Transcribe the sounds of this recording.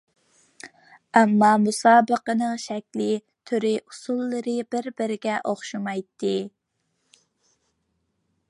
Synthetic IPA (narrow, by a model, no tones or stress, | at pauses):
ɛmːɑmusɑːbəqənɨŋʃɛkʲlɪ | t̪ʰøɾɪʔusulˠːɨɾɨbɪɾbɪɾɪɡʲɛʔoχʃɨmɑjt̪ːɨ